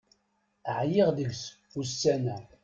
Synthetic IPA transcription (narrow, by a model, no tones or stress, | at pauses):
ʕjɪʁðəɡs | usːænæ